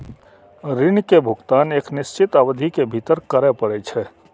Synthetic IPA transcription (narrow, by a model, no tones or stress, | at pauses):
ɾɪɳkebʱʊɡt̪aːneːknɪst͡ʃɪt̪aːʋəd̪ʱikebʱit̪əɾkəɾepəɽet͡ʃʰɛː